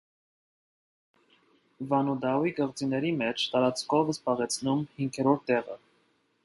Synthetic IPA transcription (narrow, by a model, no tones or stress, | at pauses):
vɑnud̪ɑwikəʁt͡sinɛɾimɛt͡ʃʰt̪ɑɾɑt͡skʰɔvəsbɑʁɛt͡sʰnumhiŋkʰɛɾɔɾt̪ːɛʁə̰